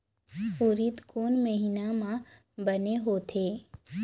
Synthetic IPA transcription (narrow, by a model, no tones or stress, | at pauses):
puːɾɪt̪kuːnməɦɪnamã | bɐneɦoːt̪ʰeː